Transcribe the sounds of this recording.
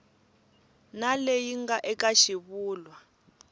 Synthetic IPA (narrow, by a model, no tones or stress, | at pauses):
nalejiŋɡaʔɛkʼaʃiβuːlwa